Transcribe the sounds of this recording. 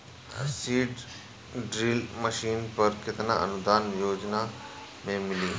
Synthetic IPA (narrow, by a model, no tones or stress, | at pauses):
siːɖ | ɖɾiːlməʃiːnpɐɾkɪt̪na̰ɐ̰nʊd̪aːnjoːd͡ʒna | mẽmɪliː